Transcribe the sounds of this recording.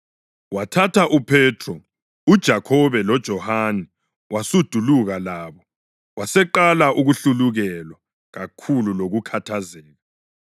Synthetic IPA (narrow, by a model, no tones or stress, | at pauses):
watʰatʰaʔupʰɛtʰrɔ | ud̥ʒ̥ʱakʰɔβɛlɔd̥ʒ̥ʱɔhanɛ | wasud̥ʱuluɣalaːβɔ | wasɛǃalaʔuɣuɬuluɣɛlwa | ɣakʰululoɣukʰatʰazɛːɣa